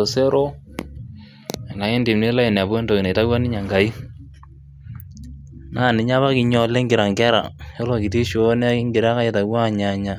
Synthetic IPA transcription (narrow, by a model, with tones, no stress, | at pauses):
o˨se˦ɾo˦ | ɛ˨na˨ke˦ndi˨mne˦la˦i˨n˨a˨bwɛ˦ndo˨ɪ˨ne˨ta˦ɡwa˦nɪ˦ɲa˨ŋɡa˨i˦ | na˦˨nɪ˨ɲa˦βa˦kɪ˨ɲɔ˨lɛ˦ŋɡɪ˨ɾa˨ŋɡɛ˦ɾa̰˨jo˦lɔ˨kɪ˨ti˦ʃn˦a˦ɪ˦ŋɡɪ˨ɾa˦ka˦je˨ta˨ɡwa˦˨ɲa˨ɲa˨